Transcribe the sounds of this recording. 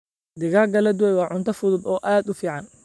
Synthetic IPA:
d̪ɪɣaːɡɐlɛd̪ʊwɛjwɑːʕʊnt̪ʰɐfʊðʊbɔːʔaːd̪ʊfiːʕɑn

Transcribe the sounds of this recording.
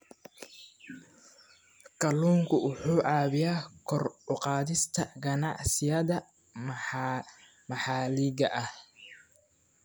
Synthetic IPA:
kʰɐluːŋkʰʊʊħuːʕɑːβɪjaːkʰɔrʊqɑːðɪst̪ʰɐɡɐnɑʕsɪjɐðɐ | mɐħɑːliɣɐʔɐh

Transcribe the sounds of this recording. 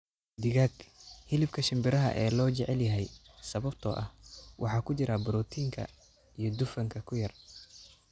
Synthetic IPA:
d̪ɪɣaːɡhɪlɪb̚kʰɐʃɪmbɪɾɐɦɐ̰ʔɛːlɔːt͡ʃɛʕɛljɐɦɛjsɐβɐbt̪ʰɔ̰ːʔɐ̰hwʔɑ̰ħɑːkʰʊt͡ʃɪɾɐbʊɾɔːt̪ʰiːŋkʰɐ̰ | ijɞd̪ʊfɐŋkʰɐkʰʊjɐr

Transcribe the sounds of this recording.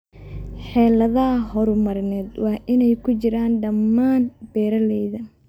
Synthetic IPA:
ħɛːlɐðɐɦɔɾʊmɐɾɪnɛːd̪wɑːʔɪnɛjkʰʊt͡ʃɪɾaːnɖɐmːaːnb̥ɛːɾɐlɛjðɐ

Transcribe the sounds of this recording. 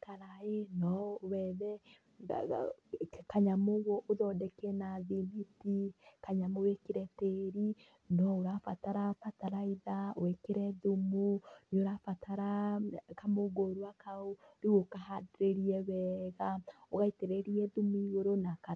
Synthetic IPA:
kaɾaenɔwɛðɛ | kaɲamoɣoʔoðɔdɛkɛnaðimitikaɲamowekeɾɛteɾi | nɔoɾafataɾafataɾaiðawekeɾɛðumunoɾafataɾakamoɡoɾwakaooɾiɣokaɦadɾeɾiɛβɛːɣaoɣaiteɾeɾiɛðumiɣoɾonaka

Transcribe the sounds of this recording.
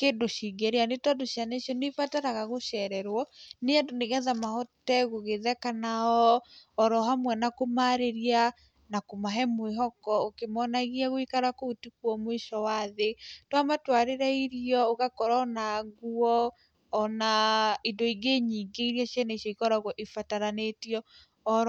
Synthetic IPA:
keːndoʃiɡɛɾeanetɔndoʃianeʃjɔnefataɾaɣaɣoʃɛɾɛɾwɔneadoneɣɛðamahɔtɛɣoɣeðɛkanaɔɔɾɔɦamwɛnakomaɾeɾia | nakomaɦɛmweɦɔkɔokemɔnaɣiaɣoikaɾakoutikuwɔmwiʃɔwaðetwamatwaɾeɾaiɾiɔoɣakɔɾanaɣuɔː | naindoiɡeɲiːɡeiɾiaɕjɛneʃɔikɔɾaɣɔʔifataɾanetiɔ | ɔɾ

